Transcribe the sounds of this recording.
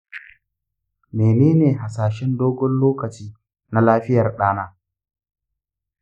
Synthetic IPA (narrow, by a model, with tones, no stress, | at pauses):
meː˨neː˦neː˨ɦa˨saː˨ʃɛ˦ndoː˦ɡʷɔ˦nloː˦kɐ˨t͡ʃiː˦ | na˦laː˦ɸɪ˦jɐ˨rɗaː˦naː˦